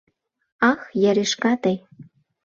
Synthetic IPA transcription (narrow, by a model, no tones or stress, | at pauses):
ɑxjæɾeʃkɑt̪ej